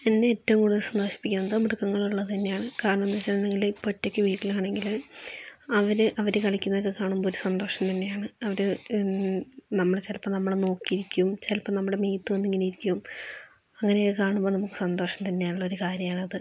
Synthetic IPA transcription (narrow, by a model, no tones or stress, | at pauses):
enːeeːtːɐʋumkuːɽisɐnd̪oːʂi̥pːikʲːunːnːɐðomiɽukːɐŋːɐɭuɭːɐt̪ɐnːejaːɳɨkaːɾɐɳɐmnːɐt͡ɕːɐnːeŋɡilpotːo̞kʲːɨʋiːʈːilkaːɳe̞ŋɡil | ɐʋɐɾɨʔɐʋɐɾekɐɭikʲːunːɐðokːekaːɳumboːɾusɐnd̪o̞ːʂɐmt̪ɐnːe̞jaːɳɨɐʋɐɾɨ | nɐmːɐɭet͡ɕelpːɐnɐmːɐɭeno̞ːkːijiɾikʲːuumt͡ɕelpːɐmnɐmːuɽe̞mejt̪ːɨʋɐnːiŋɡiliɾikʲːuʋum | ɐŋːɐneokːɨkaːɳumbo̞ːnɐmukːɨ̥sɐnd̪o̞ːʂɐmt̪ɐnːejaːnuɭːɐoɾukaːɾjɐmaːɳɨɐðɨ